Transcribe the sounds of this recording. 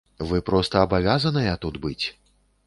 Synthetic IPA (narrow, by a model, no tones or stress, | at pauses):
vɨpɾɔst̪ɐːbavʲazɐnɨjɐt̪ud̪bɨt͡sʲ